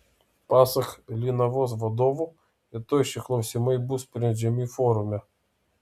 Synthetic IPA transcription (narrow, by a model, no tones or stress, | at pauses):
pɑsɐxlʲinɐʋɔzʋɐd̪ɔʋʊ | jɐt̪ɔjʃɪxlˠɔwsʲimejbuspɾʲɛʒʲɐmʲifɔɾʊmʲɛ